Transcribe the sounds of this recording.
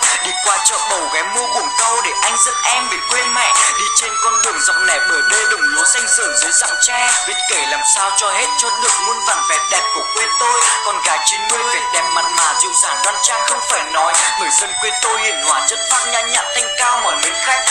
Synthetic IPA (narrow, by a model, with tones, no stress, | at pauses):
ɗi˧˩kwaː˧˩t͡ɕəː˧˩fə˨˩wɣɛː˨˦u˧əku˨˧˩ŋ͡mkə˧wɗe˧˩ʔa˧jŋ̟zə̰˧˥nʔɛ˧mve˨˩kwe˧nmɛ̰˧˨ɗi˧˩t͡ɕe˧nkɔ˧nɗɨ˨˩əŋzɔ˨˦wk͡p̚nɛ̰˧˨˩jɓəː˨˩jɗə˧jɗɨ˨˩ŋ͡mmu˨˦əsa˧jŋ̟səː˧˨˩ŋzɨ˨˦jza̰˧˨˥ŋt͡ɕɛ˧vi˨˧˦n̚ke˧˩laː˨˩msaː˧wt͡ɕɔ˧he˦˥t̚t͡ɕɔ˧t̪ɨ˨˩ŋ̚mo˧nt̪aː˧˨˩nvɛ˧˩t̚ɗɛ˨˩p̚ku˧˩əkwe˧nt̪o˧jkɔ˧nɣaː˨˦jt͡ɕi˧nɗɨ˧əhe˨˦t̚ɗɛ˨˩p̚ma̰˨˩n̚maː˨˦zḭ˨˩əwzaː˧˩nɣa˧˥n̚t͡ɕaː˦˥jxə˧wŋ͡mfaː˧˩jnɔ˨˦jɓəː˨˩jzə˧nkwe˧nt̪o˧jhḭ˨˧˩ənhwaː˧˩zə˦˥t̚faː˦˥t̚ɲaː˧ɲa̰ː˧˨nt̪a˧jŋ̟kaː˧wmɔ̰ː˧˨jmḛ˨˦nxa˦˥jk̚